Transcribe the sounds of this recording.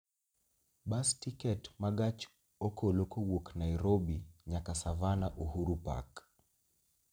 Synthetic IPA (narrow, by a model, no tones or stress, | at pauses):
ɓastikɛtmaɡat͡ʃ | ɔkɔlɔkɔwɔknaiɾɔɓiɲakasavanaʔuhuɾupa̰k